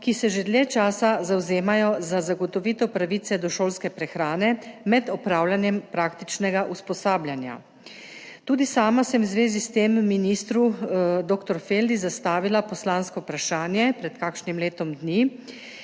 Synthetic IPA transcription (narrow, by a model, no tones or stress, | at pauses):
kisɛʒed̪ljɛt͡ʃaːsazawzeːmajɔzazaɡɔt̪ɔʋit̪ɔpɾaʋit̪sɛd̪ɔʃoːlskɛpɾɛxɾaːnɛmɛd̪ɔpɾaːwlanjɛmpɾaːkt̪it͡ʃnɛɡaʔuspɔsaːbljanja̰ | t̪uːd̪isaːmasɛmwzʋeːzist̪eːmːinist̪ɾud̪oːkt̪ɔɾfeld̪izast̪aːʋilapɔslaːnskɔpɾaʃaːnjɛpɾɛt̪kaːkʃnimleːt̪ɔmd̪ni